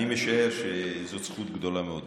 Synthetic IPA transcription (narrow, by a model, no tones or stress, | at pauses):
imeʃaeʁʃezot͡sχut̪ɡd̪o̞lameod̪